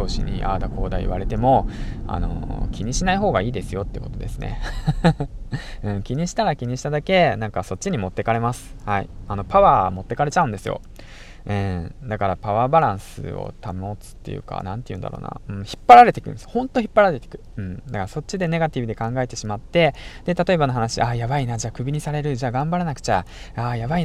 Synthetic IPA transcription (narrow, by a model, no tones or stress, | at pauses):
t̪o̞ːɕḭɲ̟ḭʔa̰ːd̪ako̞ːd̪aiḭβaɾe̞t̪e̞mo̞a̰no̞̰kʲiɲ̟iɕinaiɦo̞ːɡaiːd̪e̞sɨjo̞t̪ːejɯ̟ko̞̥̰t̪o̞d̪e̞sɨne̞̰ | ɯ̟̃kʲiɲ̟iɕi̥t̪aɾakʲiɲ̟iɕi̥t̪ad̪ake̞nãŋkaso̞tt͡ɕːiɲ̟imo̞t̪ːe̞kaɾe̞masɨ̥haḭano̞paβaːmo̞t̪ːe̞kaɾe̞t͡ɕaɯ̃nd̪e̞sɨjo̞̰ | ɯ̟̃ːd̪akaɾapaβaːbaɾãɰ̃sɨ̰o̞̰t̪ʰamot͡sɨ̥t̪ːe̞jɯ̟̰ka̰nãnt̪e̞jɯ̟̃nd̪a̰ɾo̰ːna̰ɯ̟̃ɴçi̥pːaɾaɾe̞t̪e̞kɯ̟̰̃ne̥hõ̞nt̪o̞çipːaɾaɾet̪ekɯ̟̥ɯ̟̃ɴd̪akaɾaso̞t̚t͡ɕːid̪e̞ne̞ɡat̪ʲibɯ̟d̪e̞kãŋɡae̞t̪e̞ɕimat̪ːe̞d̪̥e̞t̪at̪o̞e̞bano̞ɦanaɕiʔaːjaβainad͡ʑaːkɯ̟bʲiɲ̟isaɾe̞ɾɯ̟d͡ʑaːɡãmbaɾanakɯ̟̥t͡ɕaaːjaβai